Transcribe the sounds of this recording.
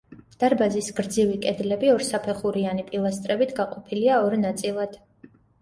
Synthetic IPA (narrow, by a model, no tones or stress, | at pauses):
d̪̥aɾbazisɡ̥ɾd̪zivikʼɛd̪lɛbiɔɾsapʰɛχuɾianipʼilˠast̪ʼɾɛbit̪ʰɡaqʼɔpʰiliaɔɾnat̪sʼilˠad̪̥